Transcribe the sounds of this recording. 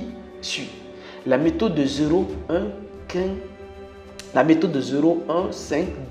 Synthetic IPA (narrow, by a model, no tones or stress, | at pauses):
si | lamet̪od̪əzeɾoɛ̃ | kɛ̃ | lamet̪od̪əzeɾoɛ̃sɛ̃ŋkd